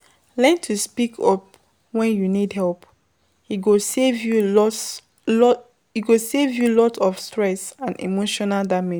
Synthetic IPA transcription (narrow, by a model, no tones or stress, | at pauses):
lɛ̃ntʰuspikʰɔp̚ | wɛ̃njunidɦɛlp | hiɡosevjuɔ | hiɡosevjulɔtʰɔfstɹɛsãndḭmoʃɔnaldamɛ̃